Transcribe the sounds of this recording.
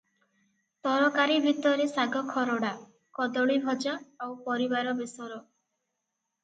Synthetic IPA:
t̪ɔɾɔkaɾibʱit̪ɔɾesaɡɔkʰɔɾɔɽa | kɔd̪ɔɭibʱɔd͡ʒaawpɔɾibaɾɔbisɔɾɔ

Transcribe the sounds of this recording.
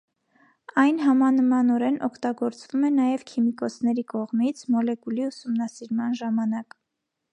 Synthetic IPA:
ɑjnɦɑmɑnəmɑnɔɾɛnɔkʰt̪ɑɡɔɾt͡svumɛnɑjɛvkʰimikɔsʰn̪ɛɾikɔʁmit͡sʰmɔlɛkuliusumnɑsiɾmɑnʒɑmɑnɑk

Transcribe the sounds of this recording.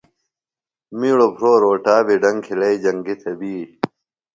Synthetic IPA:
miːɭopʰɾoːɾoːʈaːbiɖɐŋkʰilɐid͡ʑɐŋɡit̪ʰɐbiː

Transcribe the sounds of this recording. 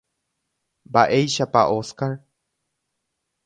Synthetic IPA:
baʔejʃapaʔoskaɾ

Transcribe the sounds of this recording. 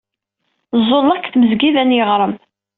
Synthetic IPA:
zˤːolˤːɑkːθməzɡiðænjəʁɾˤəm

